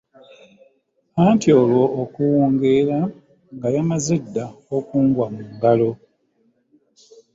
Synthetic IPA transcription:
antjo̞ːlwo̞ːkuwoːŋɡeɾa | ŋɡajamazedːaokuːŋɡwamuːŋɡalo̞

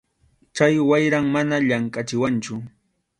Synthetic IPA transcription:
t͡ʃajwajɾaŋmanaʎaŋkʼat͡ʃɪwant͡ʃʊ

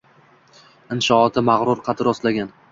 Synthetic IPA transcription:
ɪnʃɒːt̪ʰɪmaʁɾʊɾqʰɑt̪ʰɪɾɒslaɡʲan

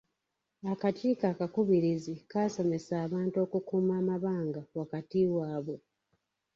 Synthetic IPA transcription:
akatiːkaːkakuβiɾizikaːso̞me̞saːβaːnto̞ːkukuːmaːmaβaːŋɡawakatiwaːβo̞

